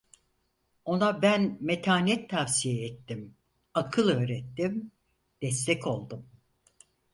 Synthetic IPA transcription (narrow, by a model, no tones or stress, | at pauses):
o̞nabænmet̪ʰaːnɛt̪ʰːavsijɛːt̪ːim | akʰɯlˠø̞ːɾɛt̪ːim | d̪̥ɛst̪ʰɛcʰo̞lˠd̪um